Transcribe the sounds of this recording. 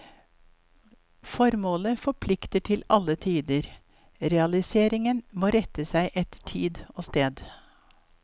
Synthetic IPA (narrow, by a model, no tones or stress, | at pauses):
fɔɾmoːləfɔpʰlɪkt̪əʈʰɪlɑlːət̪ʰiːd̪əɾ | ɾɛɑlɪseːɾɪŋənmoːɾɛt̪əsæɪʔɛt̪ʈʰiːd̪oːst̪eːd̪